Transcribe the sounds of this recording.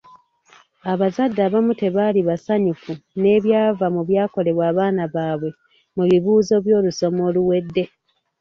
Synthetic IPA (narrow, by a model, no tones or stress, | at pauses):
aβazadːaβamute̞βaliβasaɲufune̞ːβjaːvamuβjaːko̞le̞βwaːβaːnaβaːβwe̞ | muβiβuːzo̞βjo̞ːluso̞mo̞ːluwe̞dːe̞